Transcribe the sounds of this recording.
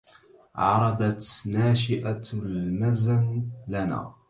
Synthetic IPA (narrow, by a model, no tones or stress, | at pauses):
ʕɑ̰ɾˤɑd̪ɑt̪naːʃɪʔalmazanlana̰ː